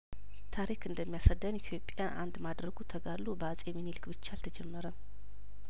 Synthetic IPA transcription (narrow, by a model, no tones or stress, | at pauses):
t̪ʰaɾikɨnd̪əmːijasad̪ənjɪt̪ʰjo̞pʼjanʔa̰nd̪mad̪ɾəɡut̪ʰəɡalːobəat͡sʼɛminilɨkbɨt͡ʃːalt̪ʰəd͡ʒɛmːəɾə